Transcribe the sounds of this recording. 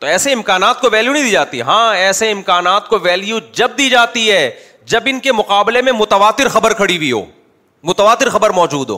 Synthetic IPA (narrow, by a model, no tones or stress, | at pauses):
t̪oɛːseɪmkaːnaːt̪̚koʋɛːljunĩd̪iːd͡ʒaːt̪iɦɛɦãːɛːseɪmkaːnaːt̪̚koʋɛːljud͡ʒɐb̚d̪iːd͡ʒaːt̪iɦɛː | d͡ʒɐbɪnkemʊqaːblemẽmʊt̪əʋaːt̪ɪɾxɐbəɾkʰɐɽiwiɦo̰ː | mʊt̪əʋaːt̪ɪɾxɐbəɾmɔːd͡ʒuːd̪ɦo̰ː